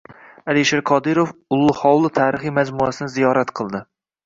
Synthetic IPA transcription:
aliʃeɾqʰɒd̪ɪɾofʊlˠːʊhɒwlˠɪt̪ʰaːɾɨχijmad͡ʒmuasɪnɪzijɒɾat̪qʰɨlˠd̪ɪ

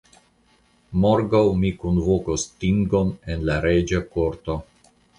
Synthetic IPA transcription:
moɾɡawmikunvokostiŋɡo̞nenlaɾed͡ʒakoɾt̪o

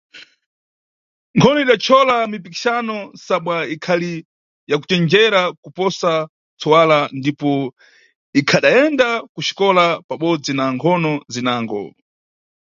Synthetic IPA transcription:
ŋkʰɔnɔiɗat͡ʃʰɔlamipiki̥ʃanɔsaɓwaikʰali | jaku̥t͡ʃɛnd͡ʒɛɾakupɔsa | t͡sʰɔwalandipɔ | ikʰaɗaɛndakuʃi̥kɔlapaɓɔd͡zinaŋkʰɔnɔzinaːŋɡɔ̰

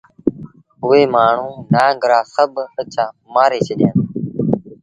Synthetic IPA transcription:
ɦʊʋeːmaːɳ̤ũːnãːɡəɾaːsəɓət͡ʃãːmaːɾeːt͡ʃʰəɗjãːnː

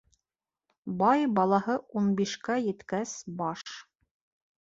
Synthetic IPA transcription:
bɑjbɑlˠɑɦɤunbiʃkæjɘ̆t̪kæsbɑʃ

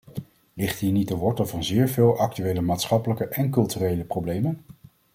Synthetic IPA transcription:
lɪχtɦiːɹnitəʋɔɹtəvɑnzɪːɹveːlˠʔɑk̚tyʋejləmaːtsχɑpələkəʔɛnkɵlˠtyrejləprowblejmən

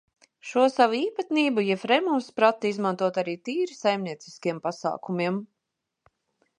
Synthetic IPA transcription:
ʃuɔsaʋuiːpat̪niːbujɛfɾɛmumspɾat̪ːiizmant̪uɔt̪aɾiːt̪iːɾisajmniɛt̪si̥skiɛmpasa̰ːkumʲiɛm

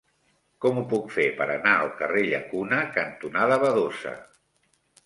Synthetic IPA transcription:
kɔmupukfepəɾənaəlˠkəreʎəkunəkənt̪unaðəβəðosə̰

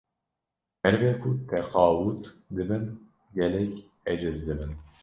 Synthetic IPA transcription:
hɛɾveːkʰʊt̪ʰɛqɑːwut̪d̪ɨbɨn | ɡɛlɛkʲ | ɛd͡ʒɨzd̪ɨbɨn

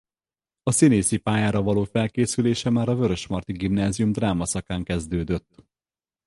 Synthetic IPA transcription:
ɒsineːsipaːjaːɾɒvɒloːfɛlkeːsyleːʃɛmaːɾɒvø̞ɾø̞ʃmɒrt̪iɡimnaːzijumd̪raːmɒsɒkaːŋkɛzd̪øːd̪øt̪ː

